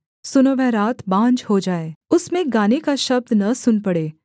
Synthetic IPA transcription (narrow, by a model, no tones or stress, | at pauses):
sʊnoʋɛ̃ɾaːt̪bãːnd͡ʒhod͡ʒaːeːʊsmẽɡaːnekaʃɐb̚d̪nɐsʊnpɐɽeː